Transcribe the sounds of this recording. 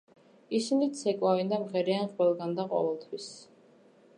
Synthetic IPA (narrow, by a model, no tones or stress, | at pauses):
isinit̪sʰɛkʼwavind̪amʁɛɾianχʼwɛlˠɡand̪aqʼɔ̰vɛlˠt̪ʰwis